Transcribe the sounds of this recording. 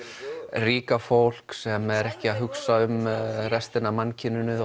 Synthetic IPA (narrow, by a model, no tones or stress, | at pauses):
riːkafowl̥ksɛmɛɾɛhcɪaðɦʏksaʏmrɛst̪ɪnamancʰɪnːʏnɪ